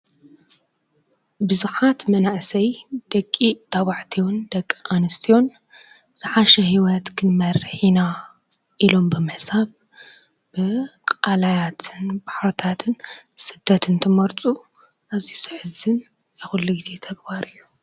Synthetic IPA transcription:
bɨzuħat̪mɐnaʔsɐjd̪̥ɐkʼːit̪ʰaβaʕt̪ʰiwund̪ɐkʼːʔanɨst̪ʰijo̞n | z̥ɨħaʃɐɦiwɐt̪kʰɨnmɐɾħina | ʔilo̞mbɨmɨhsaβ | b̥ɨqʼalajat̪ʰɨnbaħaɾt̪ʰat̪ʰɨnsɨd̪̥ːɐt̪ʰɨnt̪ʰɨmɐɾt͡sʼu | ʔazijuz̥ɨħɨzɨn | jɛxulːuɡize̞t̪ʰɐɡbaɾɨjːu

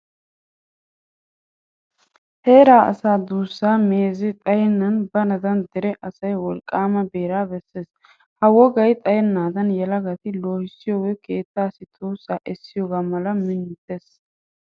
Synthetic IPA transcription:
he̞ːɾaːʔɐ̰saːd̪uːsːaːme̞ːzɪt̪ʼɐjɛnːɐnbɐnɐd̪ɐnd̪ɛɾɛʔɐsɐjwɔlkʼːaːmɐbeːɾaːbɛsːe̞ːs | hɐwɔɡɐjt̪ʼɐjɛnːaːd̪ɐnjɛlɐɡɐt̪ɪloːhɪsːɪjoːɡɛke̞ːt̪ːaːsɪt̪ʰʼuːsaːʔɛsːɪjoːɡaːmɐlɐmɪnːɪt̪ːe̞ːs

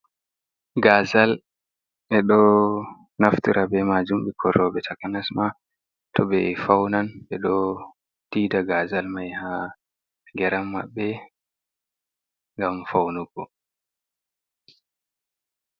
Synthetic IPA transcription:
ɡaːzal | ɓɛɗɔ | naftiɾabɛmad͡ʒumɓɛkʰɔɾɔbɛtʰakanasma | tɔbɛfawnanbɛɗɔ | d̥iːdaɡazalmajha | ŋɡɛɾamːa̰ɓːɛ | ŋɡamfawnuɡɔ

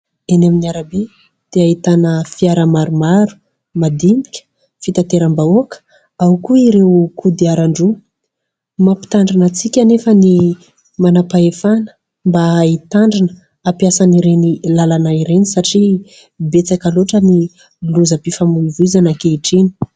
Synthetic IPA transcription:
anaminiaɾabe | d̪̥eait̪anəfiaɾəmaɾumaɾu̥ | mad̪imikʲə̥ | fit̪at̪eɾambaokə̥ | awkuiɾewkud̪iaɾaɳɖ͡ʐu | mapi̥t̪aɳɖ͡ʐanət͡sikʲanefəni | manapaefanə̥ | mbaːit̪aɳɖ͡ʐinə | apjasaniɾenilalanaiɾenisaʈ͡ʂi | bet͡sakaloʈ͡ʂəni | luzəpifamulivuizanakeiʈ͡ʂini̥

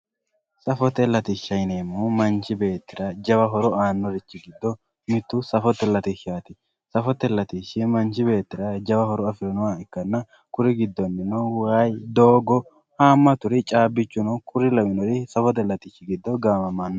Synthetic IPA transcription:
sɐfɔt̪ɛlːɐt̪ɪʃːɐjneːmumɐnt͡ʃːɪbe̞ːt̪ːɪɾɐd͡ʒɐbɐɦɔɾɔaːnːɔɾɪt͡ʃːɪɡɪd̪ːɔ | mɪt̪ːʊsɐfɔt̪ːɛlːɐt̪iʃaːt̪ɪ | sɐfɔt̪ːɛlːɐt̪iʃɪmɐnt͡ʃɪbe̞ːt̪ːɪɾɐd͡ʒɐbɐhɔɾɔɐfɪɾɔnɔwaɪkːɐnːɐ | kʊɾɪɡɪd̪ːɔnːɪnɔwajd̪oːɡɔ | haːmːɐt̪ʊɾɪt͡ʃʼaːbːɪt͡ʃːʊnɔkʰʊɾɪlɐmɪnɔɾɪsɐfɔt̪̬ɛlːɐt̪ɪʃːɪɡɪd̪ːɔɡaːmɐmanːɔ

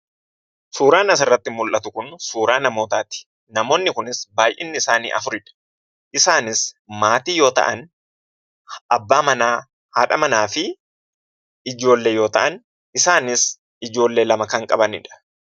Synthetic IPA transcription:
suːɾaːnɐs̬ɪrːɐt̪ːɪmʊlʔɐt̪ʊkʊnsuːɾaːnɐmo̞ːt̪aːt̪ɪ̥ | nɐmo̞ːnːɪkʊnɪsbaːjʔɛ̰nːɪɪsaːnḭːʔɐfʊɾɪᶑɐ̥ | ʔɪsaːnɪsmaːt̪iːjo̞ːt̪ɐ̰ʔɐn | ʔɐbːaːmɐnaː | haːᶑɐmɐnaːfɪ | ɪd͡ʒo̞ːlːejo̞ːt̪ɐʔɐn | ɪsaːnɪs | ɪd͡ʒo̞ːlːe̞ːlɐmɐkɐŋkʼɐbɐnɪ̰ᶑɐ̥

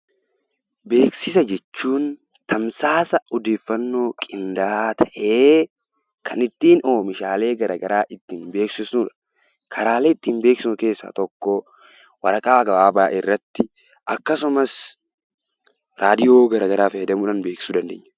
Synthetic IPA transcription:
be̞ːksɪsɐd͡ʒɛt͡ʃːuːn | t̪ʰɐmsaːsɐɔd̪e̞ːfːɐnːo̞ːkʼɪnd̪aːt̪ʰɐʔeː | kʰɐnɪt̪ːiːnoːmɪʃaːle̞ːɡɐɾɐɡɐɾaːʔɪt̪ːiːnbe̞ːksɪsnuːᶑɐ̥ | kʰɐɾaːleːɪt̪ːiːnbe̞ːksɪsʊke̞ːsːa̰ːt̪ɔkːɔ | wɐɾɐkʼaːɡɐbaːbaːʔɪrːɐt̪ːɪ | ʔɐkːɐsʊmɐs | ɾaːd̪ɪjo̞ːɡɐɾɐɡɐɾaːfɐjɛd̪ɐmuːᶑɐnbe̞ːksɪ̥suːd̪ɐnd̪eːɲːɐ

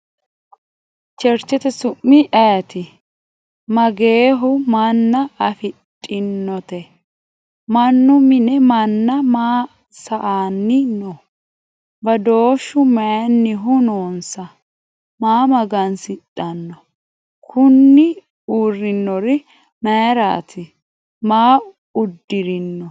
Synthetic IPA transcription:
t͡ʃɛɾt͡ʃːɛt̪ɛsʊʔːɪʔɐjɐt̪ɪ | mɐɡeːɦʊmɐnːɐʔɐfɪtʼːɪnːɔt̪ɛ | mɐnːʊmɪnɛmɐnːɐmaː | sɐʔaːnːɪnɔ | bɐd̪oːʃːʊmɛnːɪɦʊnoːnsɐ | maːmɐɡɐnsɪtʼːɐnːɔ | kʰʊnːɪ | uːrːɪnːɔɾɪ | mɛjɾa̰ːt̪ʰɪ | maː | ʊd̪ːɪɾɪnːɔ

